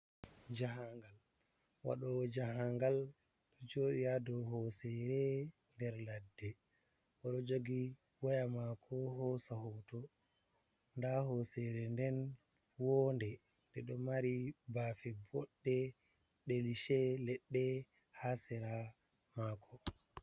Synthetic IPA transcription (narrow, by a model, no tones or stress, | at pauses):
d͡ʒahaŋɡal | wa̰ɗɔd͡ʒaɦaŋɡal | ɗɔd͡ʒoɗijadɔɦɔsɛɾɛ | ndɛɾladːɛ | ʔɔɗɔd͡ʒoɡi | wɔjamakʰɔhɔsahɔtɔ | ndahɔsɛɾɛndɛn | wɔndɛ | ndɛɗɔmaɾibafɛbɔɗːɛ | ɗeliʃɛlɛɗːɛ | hasɛɾa | makʰɔ